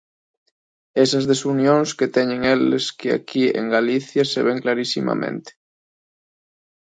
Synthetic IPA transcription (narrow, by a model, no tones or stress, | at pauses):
esɐzðesunjõŋsket̪ɛɲẽŋeleskea̰kiḛŋɡaliθjaseβɛŋklaɾisima̰mḛ̃nt̪e̥